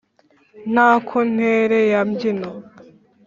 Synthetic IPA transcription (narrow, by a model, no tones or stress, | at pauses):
n̥aːkʰon̥eɾejamɟino